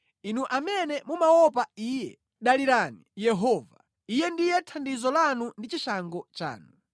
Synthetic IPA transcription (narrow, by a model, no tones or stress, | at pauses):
inuʔamɛnɛmumawɔpaiːjɛ | ɗaliɾanijɛɦɔːva | ijɛndijɛtʰandizɔlanundit͡ʃiʃaŋɡɔt͡ʃa̰ːnu